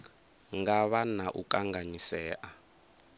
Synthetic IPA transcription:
ŋɡaβanaʔṵkaŋɡaɲisɛːʔa

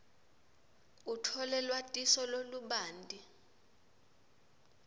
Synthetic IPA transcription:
utʰɔlɛlwatʼisɔloluɓaːndʼi

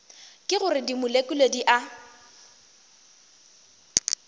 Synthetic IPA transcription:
kʼɪɣʊrɪdimʊlekʼʊlediʔa

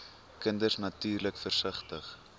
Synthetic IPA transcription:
kəndərsnɐtyːrləkfərsəχtəχ

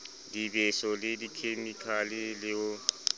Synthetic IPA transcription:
dibesɔlɪdikʰemikʰalɪlɪʊ

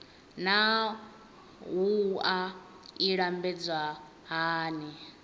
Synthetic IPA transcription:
na | ɦua | iɺambɛd͡zwa | ɦaːni

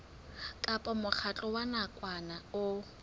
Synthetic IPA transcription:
kʼapʼɔmʊk͡xʰat͡ɬʼɔwanakʼwanaʊ

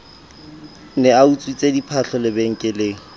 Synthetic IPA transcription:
nɛaut͡sʼwit͡sʼedipʰaɬʰɔlɪbeŋ̩kʼɪleːŋ̩

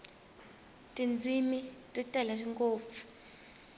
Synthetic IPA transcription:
tʼind͡zʱimitʼitʼɛlaʃ̬iŋkoːp̪fu̥

